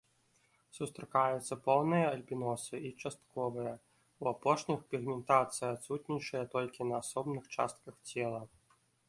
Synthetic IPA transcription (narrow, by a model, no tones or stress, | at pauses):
sust̪ɾakajut̪sːɐpɔwnɨjɐɐlʲpʲinɔsɨit͡ʂast̪̚kɔvɨjɐ | uapɔʂnʲixpʲiɣmʲɛnt̪at̪sɨjat̪sut̪nʲit͡ʂɨjɐt̪ɔlʲkʲinɐːsɔbnɨxt͡ʂa̰st̪̚kɐxt͡sʲɛlˠɐ